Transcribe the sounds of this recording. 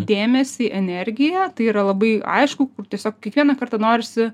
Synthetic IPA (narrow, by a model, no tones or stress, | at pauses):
d̪ʲeːmʲɛsʲɪʔɛnʲɛɾʲɡʲɪjɛt̪ɐɪiːɾɐlˠɐbɐɪɐ̰ɪʃkʊkʊrt̪ʲiɛsʲoːkkʲɛkʋʲiɛnɐkɐrt̪ɐnoːɾʲɪsʲɪ